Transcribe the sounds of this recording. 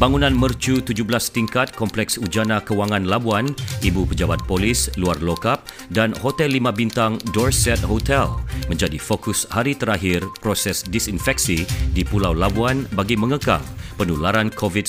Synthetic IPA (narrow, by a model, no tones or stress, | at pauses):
baŋunãnmərt͡ʃut̪ud͡ʒublast̪iŋkat̪̚kɔmplɛksud͡ʒanãkəwaŋãnlabuanibupəd͡ʒabat̪̚polisluarlokap̚ | danhot̪ɛlːimãbint̪aŋdɔrsɛt̪̚ɦot̪ɛlmə̃ɲd͡ʒadifokushaɾit̪əɾaɦirpɾosɛsdisinfɛk̚sidipulawlabuanbaɡimə̃ŋəka̰ŋpənulaɾankʰovit̚